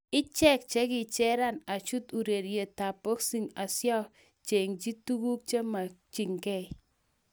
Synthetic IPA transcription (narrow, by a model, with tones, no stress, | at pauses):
ɪ˦t͡ʃɛ˦˨k̚t͡ʃe˦kɪ˨t͡ʃɛ˦ɾa˦˨na˨t͡ʃu˦tu˨ɾe˨ɾje˨ta˨po˦ksi˦˨ŋa˨sjɔ˦ | t͡ʃe˨ŋd͡ʒi˦tu˦ku˦k̚t͡ʃe˦ma˨t͡ʃi˨ŋkɛ˦˨i